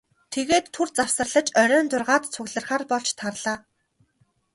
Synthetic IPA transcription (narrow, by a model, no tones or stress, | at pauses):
t̪ʰeɣeːt̪ʰːurt͡sawsə̆rɮə̆t͡ɕœɾʲœːnt͡sʊrʁaːt̪t͡sʰʊɣɮə̆rχaːrpɔɮt͡ɕt̪ʰarɮaː